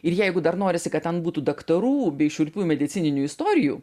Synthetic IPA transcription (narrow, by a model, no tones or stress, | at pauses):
ɪɾjɛɪɡʊd̪ɐɾnoːɾʲɪsʲɪkɐt̪̚ʲtʲɛnbuːt̪uːd̪ɐkt̪ɐɾuːbʲɛɪʃʊɾʲpʲuːmʲɛd̪ʲɪt̪sʲɪnʲɪnʲuːɪst̪oːɾʲɪjṵː